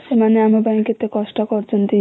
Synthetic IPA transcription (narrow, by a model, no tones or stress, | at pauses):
ʃemaneamabaiket̪ekɔʃʈakɔɾt͡ɕent̪i